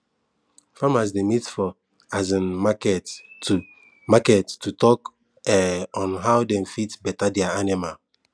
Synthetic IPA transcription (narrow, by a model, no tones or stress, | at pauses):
famas̬demitfɔ | azĩnmakɛt | makɛttutɔk | ɛɔ̃nɦawdɛ̃mfitbɛtadɛaanimal